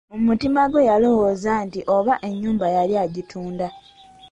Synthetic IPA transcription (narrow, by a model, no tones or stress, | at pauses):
omutimaɡwe̞jalo̞wo̞ːzaːntiʔo̞βaʔe̞ɲːuːmbajaljaːɟitʰuːnda